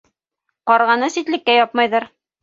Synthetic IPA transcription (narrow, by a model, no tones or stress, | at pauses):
qɒɾʁɑnɤsit̪lɘ̆kːæjɒpmɑjðɤɾ